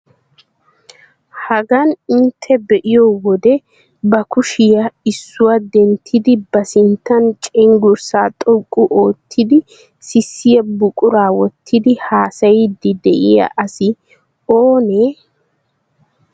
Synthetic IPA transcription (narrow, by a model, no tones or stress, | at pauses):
hɐɡɐnɪnt̪ʰːɛbɛʔɪjɔwɔd̪ɛ | bɐkʊʃɪjɐɪsːʊwad̪ɛnt̪ʰːɪd̪ɪbɐsɪnt̪ːɐnt͡ʃʼɛŋɡʊɾsaːt̪ʼɔkʼːʊʔoːt̪ʰːɪd̪ɪ | sɪsːɪjɐbʊkʼʊɾaːwɔt̪ʰːɪd̪ɪhaːsɐjɪd̪ɪd̪ɛʔɪjɐ̰ʔɐsɪ | oːneː